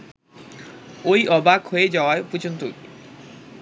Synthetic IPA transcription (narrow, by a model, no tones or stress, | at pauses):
ojɔbakhojed͡ʑaoaepud͡ʑont̪oki